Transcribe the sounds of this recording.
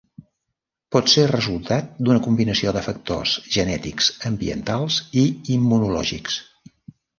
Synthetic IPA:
pɔt̪serəzulˠt̪at̪̚d̪unəkumbinəsioðəfək̚t̪o̰z̥ʒənɛt̪iksəmbiə̰nt̪alˠziimːunulɔ̰ʒḭks

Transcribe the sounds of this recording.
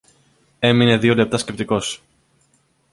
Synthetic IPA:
e̞mine̞ðio̞le̞p̚t̪ɐsce̞p̚t̪iko̞s

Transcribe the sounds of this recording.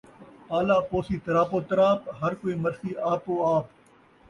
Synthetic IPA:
paːlaːpoːsiːt̪ɐɾaːpoːt̪ɐɾaːpɦɐɾkoːiːməɾsiːaːpoːaːp

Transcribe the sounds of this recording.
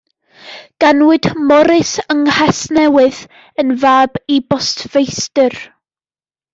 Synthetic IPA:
ɡ̥anwɨdmɔɾɪsəŋhasnɛwɨð | ənvaːbibɔstv̥ejstər

